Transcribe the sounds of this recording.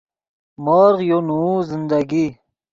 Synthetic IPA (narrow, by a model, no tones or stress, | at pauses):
moːɾʁjonuzind̪aɡi